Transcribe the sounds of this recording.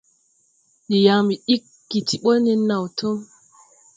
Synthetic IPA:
ɗi˨ja˨ŋmi˨ɗi˦kːi˨ti˨ɓo˦ni˦nːa˨wtʰo˦m

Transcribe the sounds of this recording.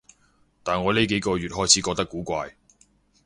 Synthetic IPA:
t̪aː˨nŋɔː˨˧le˨˥ke˨˥jkɔː˧ɥyː˨t̚hɔː˥jt͡sʰiː˨˥kɔː˧k̚t̪ɐ˥kːuː˨˥kʷaː˧j

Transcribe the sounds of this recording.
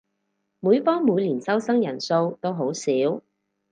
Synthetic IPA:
muː˨˧jfɔː˥ŋmuː˨˧jliː˨˩nsɐ˥wsɐ˥ŋjɐ˨˩nso˧wt̪o˥wɦo˨˥wsiː˨˥w

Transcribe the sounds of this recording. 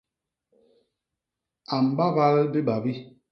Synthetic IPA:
a˨m˨ba˦ba˦lbi˦ɓa˨bi˦

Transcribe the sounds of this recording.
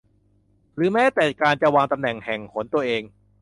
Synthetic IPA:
ɾɯː˩˦mɛː˦˥t̪ɛː˨˩kaː˧nt͡ɕa˧˨waː˧ŋt̪a˧mnɛ˨˩ŋhɛ˨˩ŋkʰo˩˦nt̪u˧ɐʔeː˧ŋ

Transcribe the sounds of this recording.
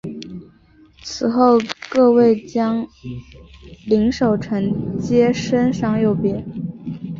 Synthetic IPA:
t͡sʰɹ̩˨˩xo˥˧ʊkɤ˥˧we˥˩ɪt͡ɕjɑ˥ŋ | li˧˥ŋʂo˨˩ʊʈ͡ʂʰə˧˥ŋt͡ɕjɛ˥ʂə˥nʂɑ˥˧ŋjo˥˩ʊpjɛ˧˥

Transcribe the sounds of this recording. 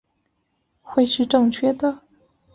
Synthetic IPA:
xwe˥˧ɪʂɻ̩˥˧ʈ͡ʂɤ˥˧ŋt͡ɕʰɥɛ˥˩d̪ə˩

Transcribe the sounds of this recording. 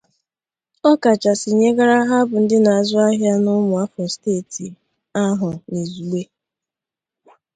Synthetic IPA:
ɔ˦ka˨t͡ʃa˨sɪ˨ɲe˦ɡa˦ɾa˦ɦa˦bʊ˨n̩˦dɪ˦na˨a˨zʊ˦a˦ɦja˦nʊ˦mʊ˨a˦fɔ˨steː˦˨ti˨ | a˦ɦʊ˨ne˨zu˨ɡ͡be˦

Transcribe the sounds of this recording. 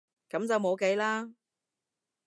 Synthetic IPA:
kɐ˨˥mt͡sɐ˨wmo˨˧wke˨˥jlaː˥

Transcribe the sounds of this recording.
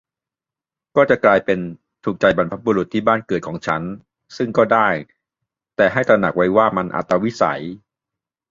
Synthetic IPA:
kɔː˥˩t͡ɕa˨˩klaː˧jpe˧n | t̪ʰuː˨˩k̚t͡ɕa˧jba˧npʰa˦˥p̚buː˧ɾu˨˩t̪ʰːiː˥˩baː˥˩nkɤː˨˩t̪̚kʰɔː˩˦ŋt͡ɕʰa˦˥n | sɯ˥˩ŋkɔː˥˩daː˥˩j | t̪ɛː˨˩ɦa˥˩jt̪ɾa˧na˨˩k̚wa˦˥jwaː˥˩ma˧nʔa̰˨˩t̪ːɾa˧wi˦˥sa̰˩˦j

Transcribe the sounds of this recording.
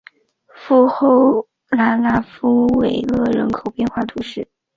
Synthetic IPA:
fu˥˧xo˥˩ʊ | la˧˥nla˥fu˥we˨˩ɪlɤ˥˩ɻə̰˧˥nkʰo˨˩ʊpjɛ˥˧nxwa˥˩t̪ʰu˧˥ʂɻ̩˥˩

